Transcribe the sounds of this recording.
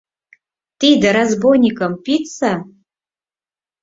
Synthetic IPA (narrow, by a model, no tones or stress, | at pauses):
t̪id̪aɾazbojnʲikəmpitt͡sa